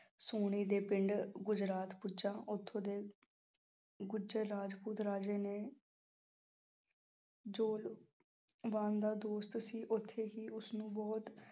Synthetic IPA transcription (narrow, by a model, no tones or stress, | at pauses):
soːɽ̃iːd̪eːpɪɳɖɡʊd͡ʒɾaːt̪pʊd͡ʒãːʔʊt̪ʰːõːd̪eː | ɡʊd͡ʒeːɾaːd͡ʒpuːt̪ɾaːd͡ʒeːneː | d͡ʒoːl | ʋaːnd̪aːd̪oːst̪siːʔʊt̪ʰːeːɦiːʊsnũːbɔːt̪